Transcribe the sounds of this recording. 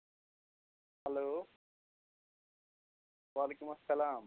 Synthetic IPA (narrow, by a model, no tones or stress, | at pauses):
hɐloː | ʋaːlekumɐsɐlaːm